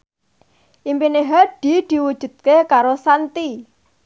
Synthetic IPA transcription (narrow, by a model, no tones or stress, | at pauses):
ʔimpineɦaɖ̪̥i̤d̪̥i̤wud̥ʒ̥ṳd̪̥̚kekaɾosant̪i